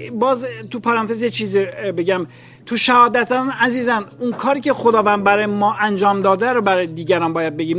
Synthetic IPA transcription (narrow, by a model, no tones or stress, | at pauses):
bɒːzt̪ʰupʰɒːɾænt̪ʰezjet͡ʃʰiːzibe̞ɟæm | t̪ʰuʃæhɒːd̪æt̪ʰænæziːzænunkʰɒːɾiːcʰe̞χo̞d̪ɒːvænd̪bæɾɒːjemɒːʔænd͡ʒɒːmd̪ɒːd̪æɾobæɾɒːjed̪iːɟæɾɒnbɒːjæd̪̚be̞ɡiːm